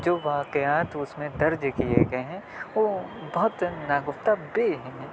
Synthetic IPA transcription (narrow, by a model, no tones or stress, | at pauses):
d͡ʒoːʋaːqəjaːt̪ʊsmẽd̪ɐɾd͡ʒkiḛɡɐeɦɛ̃ | ʋoːbɐɦʊt̪naːɡʊft̪abeɦɛ̃